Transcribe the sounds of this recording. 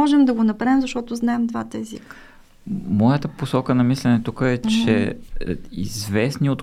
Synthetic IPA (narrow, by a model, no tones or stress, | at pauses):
ɔʒɛmd̪ɐɡonɐpɾaɛmzɐʃt̪ɔt̪ʊznaɛmd̪vat̪əɛzḭkə̥ | mɔjət̪əposɔkənɐmislɛnɛt̪ukəɛt͡ʃɛ̰ | ḭzvɛsniot̪